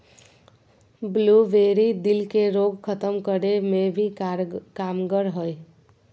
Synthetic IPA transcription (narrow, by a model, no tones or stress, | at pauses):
bluʋeɾid̪ilkeɾoɡkʰət̪əmkəɾemebʱikamɡəɾɦəj